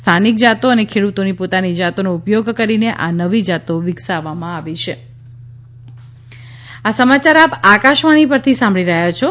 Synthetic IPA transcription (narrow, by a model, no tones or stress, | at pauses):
st̪ʰanik̚d͡ʒat̪oənekʰeɽut̪onipot̪anid͡ʒat̪onoupjoɡkəɾineʔa̰nəʋid͡ʒat̪oʋiksaʋamãaʋit͡ʃʰe | asəmat͡ʃaɾapakaʃʋaɽ̃ipəɾt̪ʰisãmbʱɭiɾəɦat͡ʃʰo